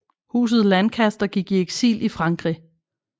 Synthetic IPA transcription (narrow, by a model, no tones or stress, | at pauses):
hṵːs̬ð̩ˠlænkʰæsd̥ɐɡ̥iɡ̥ie̝ɡ̥sḭːlʔifʁɑ̈ŋɡ̥ʁḭ